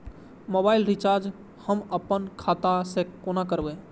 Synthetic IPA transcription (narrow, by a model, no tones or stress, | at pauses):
mobailɾit͡ʃaɾd͡ʒ | həməpːənkʰat̪asẽonakəɾbɛ